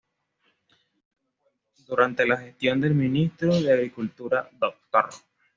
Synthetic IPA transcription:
d̪uɾant̪elaxe̞st̪jo̞nd̪e̞lminist̪ɾoðeaɣɾikult̪uɾad̪ok̚t̪aro

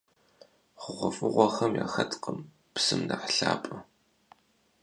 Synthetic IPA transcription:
χʷʊʁʷɔfʼɨʁʷɔxɐmjaːxɐtʰqəm | psɨmnaħɬaːpʼɨ

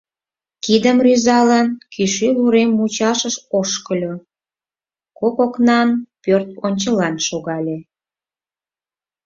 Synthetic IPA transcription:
kid̪əmryzɑlənkyʃyluɾemːut͡ɕɑʃəʃoʃkəlʲo | kokoknɑnpørt̪̚onʲt͡ɕəlɑnʃoɣɑlʲe

